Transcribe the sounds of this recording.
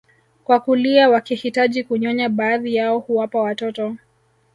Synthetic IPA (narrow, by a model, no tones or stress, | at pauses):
kwakuliawakihitaʄikuɲɔɲaɓaːðijaɔhuwapawatɔtɔ